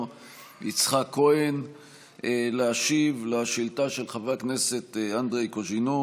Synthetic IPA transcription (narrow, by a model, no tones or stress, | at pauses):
it͡sχakʰːo̞en | eleaʃivleʃiltaʃelχavaknese̞tand̪ʁejkoʒinu